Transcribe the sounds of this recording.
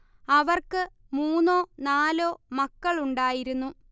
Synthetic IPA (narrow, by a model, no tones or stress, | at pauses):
ɐʋɐrkɨ | muːnːo̞ːnaːlo̞ːmɐkːɐɭuɳɖaːjiɾunːu